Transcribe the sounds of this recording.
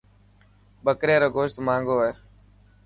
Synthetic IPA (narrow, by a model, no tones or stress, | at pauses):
ɓəkɾeːɾoːɡoːʃt̪mãːŋɡoːɦeː